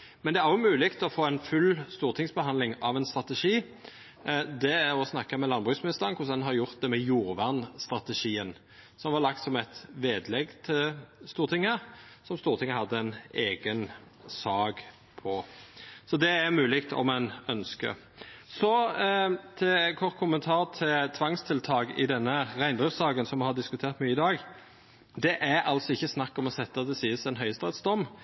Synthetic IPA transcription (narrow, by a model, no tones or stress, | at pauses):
mɛnd̪ɛæʁjʊmʉːlɪkt̪ʰɔfoːɛnfʉlst̪uːʁt̪ʰɪŋsbəɦɑnd̪lɪŋɑʋɛnst̪ɾɑt̪ɛʂiː | d̪ɛæɾɔsnɑkːəmɛlɑnːbʁʉːsmɪnɪst̪əʁnkʰʊsɛnɦɑɾjʊʁt̪̚d̪ɛmɛjuːɾʋæʁnst̪ɾɑt̪əʂiːən | sɔmʋɑʁlɑk̚t̪sɔmɛt̪ʋeːd̪lɛɡt̪ʰɪlst̪uːɾt̪ʰɪŋːəsɔmst̪uːʁt̪ʰɪŋːəɦɑd̪ːəɛneːɡən | sɑːɡ | pʰɔsɔd̪ɛæɾmʉːlɪk̚t̪ʰɔ̰mæɪnœnskə̰ | sɔ | t̪ʰɛkʰɔʁt̪kʰʊmənt̪ʰɑːɾt̪ʰɪlt̪ʰʋɑŋst̪ʰɪlt̪ʰɑːɡɪ̰d̪ɛnːəɾæɪnd̪ʁʉfsɑːɡənsɔmːɛhɑd̪ɪskʉt̪ʰeːʁt̪myːəɪd̪ɑːɡ | d̪ɛʔæɾɑlsɔɪçːəsnɑkːɔmɔsɛt̪ːəɑt̪̚d̪ɛsiːəsɛnɦœʏst̪ʁɑt̪sd̪ɔmː